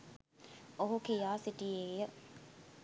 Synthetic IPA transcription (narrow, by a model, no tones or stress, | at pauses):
oɦukijaːsiʈijeːjə